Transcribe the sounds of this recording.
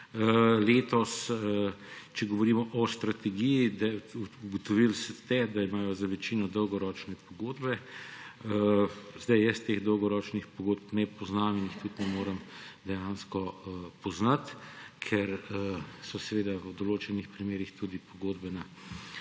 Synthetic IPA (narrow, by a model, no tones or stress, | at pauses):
leːt̪ɔs | t͡ʃɛɡɔʋɔɾiːmɔʔɔst̪ɾat̪ɛɡijid̪aɡɔt̪ɔʋilst̪ɛd̪aimaːjɔzaʋɛt͡ʃiːnɔd̪əwɡɔɾɔːt͡ʃnɛpɔɡoːd̪bɛ | zd̪ajjəst̪eɣd̪ɔwɡɔɾɔːt͡ʃnixpɔɡoːd̪pnɛpɔznaːminixt̪ut̪nɛmoːɾəmd̪ɛjaːnskɔpɔznat̪kʰɛɾ | sɔsɛʋeːd̪awd̪ɔloːt͡ʃɛnixpɾimeːɾixt̪ud̪ipɔɡoːd̪bɛna